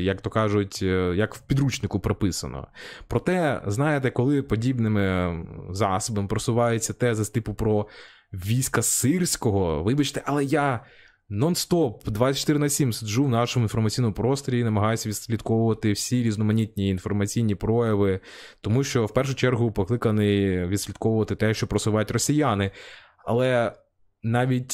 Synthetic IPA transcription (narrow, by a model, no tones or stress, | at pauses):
jɐkt̪ɔkɑʒʊtʲjɐkwpʲid̪ɾut͡ʃnɪkʊpɾɔpɪsɐ̰nɔ̰pɾɔt̪ɛznɑjet̪ɛkɔlˠɪpɔdʲibnɪmɪzɑsɔbɐmɪpɾɔsʊʋɑjet͡sʲːɐt̪ɛzɐst̪ɪpʊpɾɔ | ʋʲijsʲkɐsɪrsʲkɔɦɔʋɪbɐt͡ʃt̪ɛʔɐlˠɛja | nɔnst̪ɔpd̪ʋɑsʲɐt͡ʃt̪ɪɾnɐsʲimsʲʒuwnɑʃɔmʊinfɔrmɐt͡sʲijnɔmʊpɾɔst̪ɾʲinɐmɐɦɑjʊsʲɐʋʲid̪sʲlʲid̪kɔʋʊʋɐt̪ɪwsʲiɾʲiznɔmɐnʲit̪ʲnʲiːn̪fɔrmɐt͡sʲijnʲipɾɔjɐʋɪ | t̪ɔmuʃt͡ʃɔwpɛrʃʊt͡ʃɛrɦʊpɔklˠɪkɐnɪʋʲid̪sʲlʲid̪kɔʋʊʋɐt̪ɪt̪ɛʃt͡ʃɔpɾɔsʊʋɑjtʲrɔsʲijanɪ | ɐ̰lˠɛ | nɑʋʲitʲ